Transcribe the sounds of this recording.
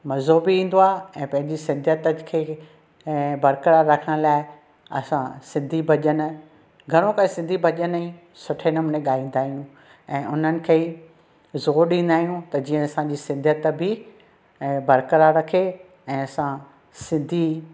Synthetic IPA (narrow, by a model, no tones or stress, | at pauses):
mɐzoːbɪĩːn̆d̪oaːɛ̃ːpɐ̃ɦɪ̃ɲd͡ʑisɪ̃nd̪ʱjət̪əkʰeː | bɐɾkəɾaɾɐkʰəɽ̃laːɪ | ɐ̰sãsɪ̃nd̪ʱibʱɐʄən̆ | ɡʱɐɽ̃õkɐẽsɪ̃nd̪ʱibʱɐʄənĩ | sʊʈʰenəmʊneɠaːĩːn̆d̪aːɦijũ | ɛ̃ːʊn̤ənɪ̆kʰeː | zoːɾɗĩːn̆d̪aːɦijũt̪ɐd͡ʑiːə̃ɐsãd͡ʑiːsɪ̃nd̪ʱjət̪bɪ | bɐɾkəɾaɾɐkʰe | ɛ̃ːɐsã | sɪ̃nd̪ʱi